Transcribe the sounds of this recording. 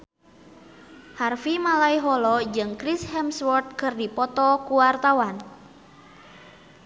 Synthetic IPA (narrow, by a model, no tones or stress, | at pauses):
harfimalaiɦɔlɔd͡ʒɨŋkɾishɛmswɔrt̪̚kɨrdipɔt̪ɔkuwart̪awan